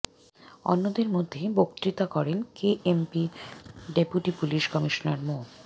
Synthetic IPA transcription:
ɔ̰nːod̪eɾmod̪ʱːebokt̪ɾit̪akɔɾenkeʔempiɖepjuʈipuliʃkɔmiʃonaɾmo

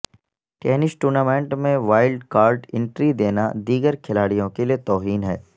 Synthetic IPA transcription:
ʈɛːnɪsʈuːɾnaːmẽːɳʈmẽʋaːɪlɖkaːɾɖɪ̃ɳʈɾid̪eːnad̪iːɡəɾkʰɪlaːɽijõkeliet̪ɔːɦiːnɦɛ̰ː

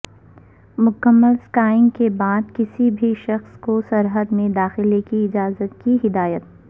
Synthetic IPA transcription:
mʊkəmːəlskaːɪ̃ŋɡkebaːd̪kɪsibʱiʃɐxskosɐɾɦəd̪mẽd̪aːxɪlekiɪd͡ʒaːzət̪̚kiɦɪd̪aːjət̪̚

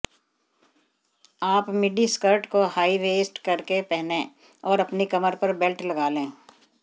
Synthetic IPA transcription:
aːpmɪɖiskəɾʈkohaːiʋeːsʈkɐɾkepɛɦnẽː | ɔːɾɐpnikɐməɾpɐɾbɪlʈlɐɡaːlẽː

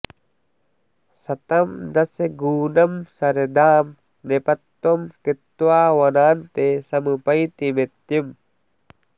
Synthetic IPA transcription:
sat̪amdaseɡunamsaɾedam | nepat̪ːɔmkət̪ːwawanant̪esaməpait̪imet̪um

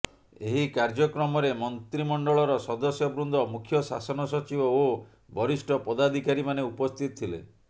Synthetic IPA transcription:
eɦikaɾd͡ʒɔkɾɔmɔɾemɔnt̪ɾimɔɳɖɔɭɔɾɔsɔd̪ɔsjɔbɾund̪ʱɔmukʰːjɔsa̰sɔnɔsɔt͡ʃibɔo | bɔɾisʈʰɔpɔd̪ad̪ʱikaɾimaneupɔst̪ʰit̪ɔ̥t̪ʰilḛ

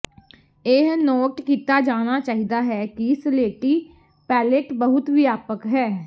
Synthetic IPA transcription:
eɦnɔːʈkiːt̪aːd͡ʒaːñaːt͡ʃaːɦiːd̪aːɦɛːkiɪsleːʈiː | pɛːleʈbəɦʊt̪ʋiːaːpəkɦɛː

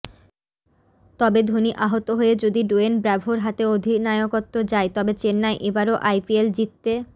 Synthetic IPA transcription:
t̪ɔbed̪ʱoniʔaɦot̪oɦoed͡ʑod̪iɖuenbɾɛbʱoɾɦat̪eod̪ʱinajokot̪ːod͡ʑaet̪ɔbet͡ɕenːaeʔebaɾoʔajpield͡ʑit̪ːe

